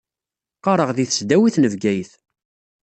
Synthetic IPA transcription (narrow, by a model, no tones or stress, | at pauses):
qːɑɾˤəʁðiθə̥sd̪æwiθnəvɡæjəθ